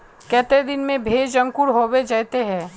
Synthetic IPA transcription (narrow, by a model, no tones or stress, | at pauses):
kɛːt̪ed̪ɪnmẽbʱeːd͡ʒɐ̃ŋkʊɾɦoːwed͡ʒɐːt̪eɦɛ̃ː